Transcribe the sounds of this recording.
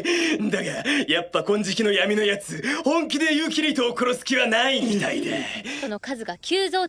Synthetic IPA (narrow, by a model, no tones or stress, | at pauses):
d̪akaɾajapːakõ̞ɲ̟d͡ʑikʲino̞jamʲino̞jat͡sɨhõ̞ŋkʲid̪e̞jɯːk̬ʲiɾʲit̪o̞ːko̞ɾo̞sɨ̥kʲiβanaimʲit̪aid̪e̞̰ono̞kazɨɡakʲɨːzo̞ː